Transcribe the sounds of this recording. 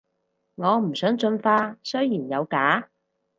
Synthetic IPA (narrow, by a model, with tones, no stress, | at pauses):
ŋɔː˨˧m̩˨˩sœː˨˥ŋt͡ʃɵ˧nfaː˥sɵ˥ɥjiː˨˩njɐ˨˧wkaː˨˥